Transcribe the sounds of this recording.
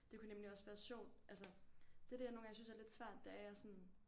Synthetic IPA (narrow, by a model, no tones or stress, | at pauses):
d̥e̝kʰunemliɒ̽sʋæːɐɕɒ̰ʊ̰lʔæls̬əd̥ed̥eɐno̝ːŋsynsæɐle̝d̥sʋæɐ̰d̥ːeæɐjɑsɒ̽n